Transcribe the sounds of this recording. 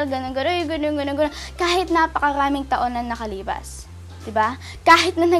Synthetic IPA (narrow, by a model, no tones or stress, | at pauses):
lɡɐnoŋɡɐnojʊɡɐnoŋɡɐnoŋɡɐno | kaːhɪt̪̚napɐkɐɾaːmɪŋt̪ɐʔo̞nɐŋnɐkɐliːpɐ̰s | d̪̥ɪba | kaːɦɪt̪̚nɐnɐ